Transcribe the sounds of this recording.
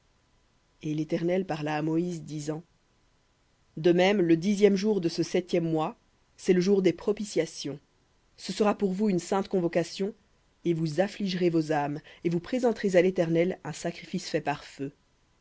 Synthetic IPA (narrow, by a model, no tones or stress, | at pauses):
elet̪ɛʁnɛlpaʁlaːmɔizd̪izɑ̃ | d̪əmɛmləd̪izjɛmʒuʁd̪əsəsɛt̪jɛmːwa | sɛləʒuʁd̪epχɔpisjasjɔ̃ | səsəʁapuʁvuynsɛ̃t̪kɔ̃vɔkasjɔ̃ | evuzafliʒʁevozamevupχezɑ̃t̪ʁezalet̪ɛʁnɛlɛ̃sakχifisfɛpaʁfø